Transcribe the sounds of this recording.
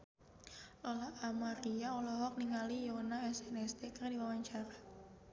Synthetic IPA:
ʔɔlaamaɾiaɔlɔɦɔk̚niŋalijonaɛsɛnɛsdekərdiwawaɲt͡ʃaɾa

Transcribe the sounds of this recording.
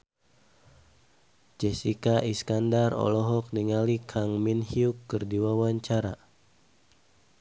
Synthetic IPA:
d͡ʒɛsikaʔiskandarɔ̰lɔɦɔk̚niŋalikʰaŋminhiukːərdiwawaɲt͡ʃaɾa̰

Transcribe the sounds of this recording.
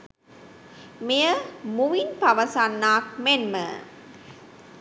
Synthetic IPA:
mijəmuʋinpɐʋəsanːaːk̚menmə̰

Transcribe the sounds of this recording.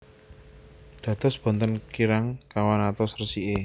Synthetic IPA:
d̪̥ä̤d̪̥ɔ̤sb̥ɔ̤nt̪ənkiɾaŋkawanat̪ɔsrsiʔe

